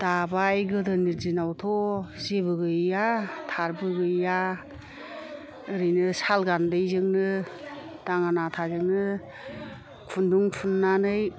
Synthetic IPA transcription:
d̥abajɡɯdɯniɾzinawtʰɔzebɯɡɯjatʰaɾbɯɡɯːa | ɯɾinɯsalɡandɯjzɯŋnɯ | d̥aŋanatʰazɯŋnɯ | kʰunduŋpʰunːanɯj

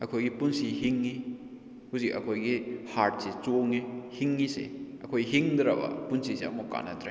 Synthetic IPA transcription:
ɐkʰojɡipunsiɦiŋːi | huzik̚ɐkʰojɡihaɾt̚set͡ʃoŋihiŋːisḛɐkʰojɦiŋdɾɐbɐ̰punsiseɐ̰mukːa̰nɐ̰tɾe

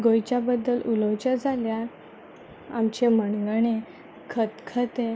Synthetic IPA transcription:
ɡojt͡ɕjabəd̪ːəlʔuləwt͡ɕad͡zʱalja | amt͡ɕeməɳɡəɳe | kʰət̪kʰət̪e

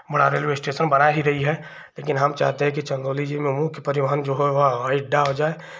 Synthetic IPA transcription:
bɐɽaɾeːlʋesʈeːʃənbɐnaɦiɾɐɦiɦɛ | leːkɪnɦɐmt͡ʃa̰ːɦt̪eɦɛ̃k̬it͡ʃɐ̃nd̪oːlid͡ʒimẽmʊkpɐɾɪʋəɦənd͡ʒoɦɛʋɐaɪɖaɦod͡ʒaːe

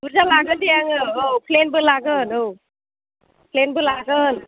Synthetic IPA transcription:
buɾzalaɡɯnd̪ijaŋɯɯwplenbɯlaɡɯnɯw | plenbɯlaɡɯn

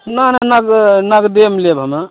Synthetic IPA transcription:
nananaɡnaɡd̪emlebʱəma

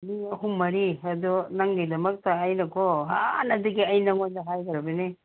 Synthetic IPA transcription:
miɐhumːɐɾiɐd̪unɐŋɡɐjdɐmɐk̚tɐːjnɐkʰoɦanɐdiɡiɐjnɐŋojdɐɦajɡɐɾɐbini

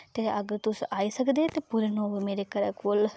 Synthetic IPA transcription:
t̪eːəɡəɾt̪ʊsaːiːsəkd̪eːt̪eːpuɾenõːmeːɾeːkəɾəkoːl

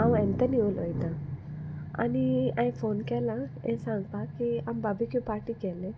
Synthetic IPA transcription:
awɛ̃nt̪əniolɔjt̪a | a̰niãjfonkɛlãɛ̃sãŋɡpakiambabikipaɾʈiːkɛlẽ

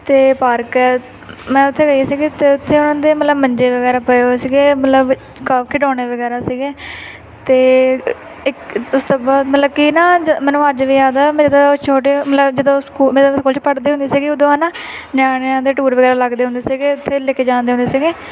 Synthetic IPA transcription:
t̪eːpaːɾkɛ | mɛ̃ːʊt̪ʰːeːɡəijaːsiːɡeːt̪eːʊt̪ʰːeːʊnãːd̪eːmət̪ləbməɲd͡ʒeːʋəɡɛːɾaːpəeosiːɡeːmət̪ləb | kaːbkʰɪɖɔ̃ːɽ̃eːʋəɡɛːɾaːsiːɡeː | t̪eː | ɪkʊst̪oːbaːd̪mət̪ləb̚kinaːd͡ʒmɛ̃ːnũːəd͡ʒʋiːaːd̪aːmɛ̃ːd͡ʒɪd̪õt͡ʃʰoːʈ̬eːmət̪ləbd͡ʒɪd̪õːskuːmd̪̃skuːlt͡ʃpəʈd̪eːʊ̃nd̪eːsiːɡeːʊd̪õːaːnaː | njaːɽ̃ẽːd̪eːʈuːɾʋəɡɛːɾaːləɡd̪eːɦʊ̃nd̪eːsiːɡeːʊt̪ʰːeːlekeːd͡ʒãːnd̪eːɦʊnd̪eːsiːɡeː

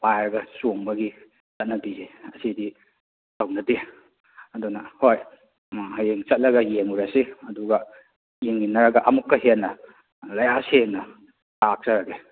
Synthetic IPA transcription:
wajɾɐɡɐsoŋbɐɡi | t͡ʃɐt̚nɐbizeɐsidi | tɐwnɐte | ɐdunɐhoj | hɐjeŋt͡ʃɐt̚lɐɡɐjeŋuɾɐseɐduɡɐ | jeŋːinɐɾɐɡɐʔɐmukːɐɦenːɐ | lɐjaseŋnɐ | tak̚t͡ʃɐɾɐɡe

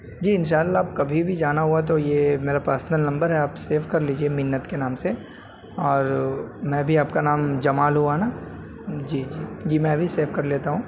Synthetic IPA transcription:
d͡ʒiːɪnʃ̬aːlːaːpkɐbʱibʱid͡ʒaːnaɦuat̪̬ojemeːɾapəɾsnəlnɐ̃mbəɾɦɛaːpseːfkɐɾliːd͡ʒiemɪnːət̪kenaːmse | ɔːɾmɛ̃ːbʱiaːpkanaːmd͡ʒɐmaːlɦuanaː | d͡ʒiːd͡ʒiːd͡ʒiːmɛ̃ːɐbʱiseːfkɐɾleːt̪aɦũː

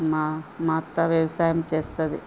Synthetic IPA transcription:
mamaːt̪ːɐʋjɐʋɐsaːjɐmt͡ʃeːst̪ɐd̪i

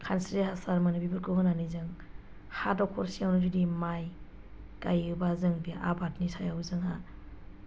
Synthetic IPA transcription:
kʰansɾihasaɾmanɯbibɯɾkɯɡɯnanizɯŋ | hadɔkʰɔɾsiawnɯdidimaj | kajɯbazɯŋbiʔa̰batnisajawzɯŋha

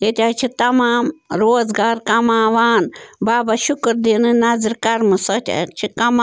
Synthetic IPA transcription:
jet̪ʲaːt͡ʃʰit̪ɐmaːmɾoːzɡaːɾkɐmaːʋaːnbaːbaʃʊkɾd̪inɨnɐzɾkɐɾmɨsɐt̪ʲa̰t͡ʃʰikɐma

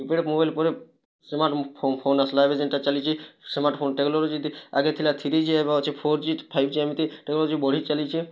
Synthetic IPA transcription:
ipeɽemobajlpɔɾe | smaɾʈpʰopʰonaslaebed͡ʑenʈat͡ʃalit͡ʃʰismaɾʈpʰonʈeɡloɾd͡ʑid̪iaɡet̪ʰilat̪ʰiɾid͡ʒʰiebaot͡ʃʰepʰoɾt͡ʃit̪pʰajbʱd͡ʑiamit̪iʈeɡloɾd͡ʑibɔɽ̤ʱit͡ʃalit͡ʃʰi

